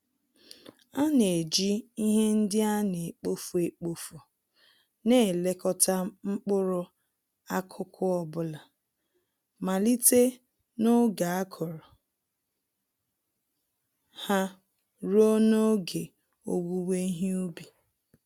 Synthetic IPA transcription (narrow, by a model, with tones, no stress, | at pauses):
a˦ne˨d͡ʒi˦i˦ɦe˦n̩˦dɪ˦a˦ne˨e˨k͡po˦fe˨k͡po˨fu˨ | ne˦˨le˦kɔ˦ta˦ŋ͡m̩˦k͡pʊ˦ɾʊ˦ | a˦kʰʊ˦kʰʊ˦ɔ˨bʊ˦la˨ | ma˨li˦te˦ | no˦ɡa˨a˦kʰɔ˨ɾɔ˨ | ha˦ | ɾo˦no˦ɡe˨ | o̰˨ɡu˦we˦i˦ɦi˦u˦bi˨